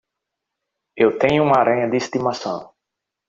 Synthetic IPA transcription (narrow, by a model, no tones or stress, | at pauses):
ewt̪ẽɲʊũmɐaɾʔɐ̃ɲɐd̪ɪist̪imasɐ̃w̃